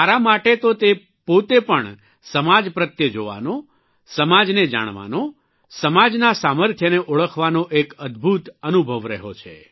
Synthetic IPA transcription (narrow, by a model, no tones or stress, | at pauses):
taɾamaʈet̪ot̪e | pot̪epəɳ | səmad͡ʒpɾət̪jəd͡ʒoʋa̰no | səmad͡ʒned͡ʒa̰ɽ̃ʋa̰no | səmad͡ʒnasaməɾt̪ʰjəneʔoɭəkʰʋanoʔekəd̪bʱut̪ənubʱəʋɾəɦot͡ʃʰḛ